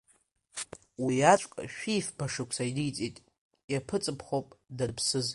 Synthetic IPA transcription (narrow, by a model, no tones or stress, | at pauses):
wiat͡ʃʷʼkʼa̰ʃᶣifpʰaʂɨkʷʰsaidɨjt͡sʼitʼ | japʰɨt͡sʼɨpʰχopʼdapʰsɨz